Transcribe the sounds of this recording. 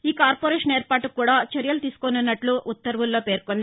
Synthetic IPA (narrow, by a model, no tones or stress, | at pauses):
iːkaːɾpoːɾeːʂɐneːɾpaːʈukuːɽaːt͡ʃɐɾjɐlut̪iːsu̥konunːɐʈluʔut̪ːɐɾʋulːo̞ːpeːɾkond̪i